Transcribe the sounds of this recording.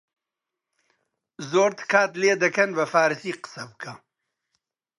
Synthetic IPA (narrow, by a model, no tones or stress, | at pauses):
zoːɾt̪ɨkʰaːt̪leːd̪ɐkɐnbɐfaːɾɨsiːqə̥sɐbɨkʰɐ